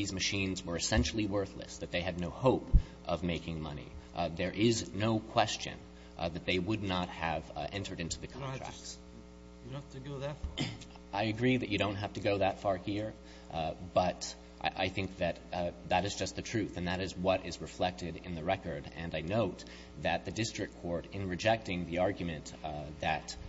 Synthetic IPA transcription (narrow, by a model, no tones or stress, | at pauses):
ðizmɨʃĩnzwə˞ɨsɛ̃nʃl̩ˠiwɜ˞θlɨ̰sðɨt̪̚ðeɪɨdⁿnoʊhoʊp | ʔʌvmeɪkɪ̃ŋmʌ̰nḭðə˞ʔɪznoʊkʰw̥ɛst͡ʃɨ̰̃n | ðɨt̪̚ðeɪwədⁿnət̚hɨvʔɛ̃ntʰə˞ɾɪ̃ntʉðɨkʰɑ̃nʰɹ̥æ̰k̚ts | tɨɡoʊð | aɪɨɡɹiðɨt͡ʃɨɾõʊ̃nt̚ɦæftɨɡoʊðətfɑɹhiɹ | b̥ʌɾ | ʔʔa̰ɪθɪ̃ŋk̚ðɨt̪̚ðəɾɨzd͡ʒʌst̪̚ðɨtʰɹ̥ʉθɨ̃nðɨɾɨzwʌɾɪzɹɨflɛk̚tɨɾɪ̰̃nðɨɹɛkə˞ɾɨ̃naɪnoʊt̪̚ | ðɨt̪̚ðɨdɪstɹ̥ɨkʰːɔɹɾɨ̃nɹɨd͡ʒɛk̚tɪ̃ŋðiɑɹɡjmɨ̃nðɨt